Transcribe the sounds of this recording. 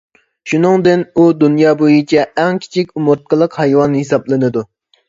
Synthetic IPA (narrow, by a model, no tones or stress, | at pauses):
ʃunɨŋd̪ɪnud̪unjɑːbojit͡ʃʰɛɛŋkʲʰi̥t͡ʃʰikʲumuɾt̪̚qʰəlˠəqhɑjwɑnhesɑblˠɨnɨd̪u